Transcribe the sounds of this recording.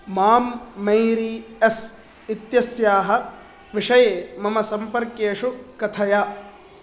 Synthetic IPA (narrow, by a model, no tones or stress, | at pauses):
maːmːɐjɾies | it̪jɐsjaːɦɐ̆ | ʋiʂɐjeːmɐmɐsɐmpɐɾkjeːʂukɐt̪ʰɐjaː